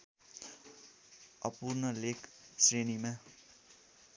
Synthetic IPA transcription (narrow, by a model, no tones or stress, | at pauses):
ʌpurnʌleksrenima